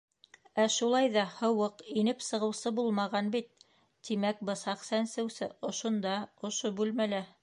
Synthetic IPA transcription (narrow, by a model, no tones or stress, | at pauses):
æʃulˠɑjðɑhɤ̆wɤqinɘpsɤ̆ʁɤ̆wsɤbulˠmɑʁɑnbit̪̚ː | imæk̚bɤ̆sɑqsænsɘ̆wsɘŏʃŏnd̪ɑŏʃobʉlmælæ